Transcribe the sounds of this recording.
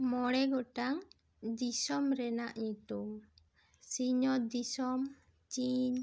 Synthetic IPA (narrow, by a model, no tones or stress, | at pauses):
mɔɽɛɡɔʈaŋ | d̪isɔmɾɛnaʔɲut̪um | siɲɔd̪isɔm | t͡ʃiɲ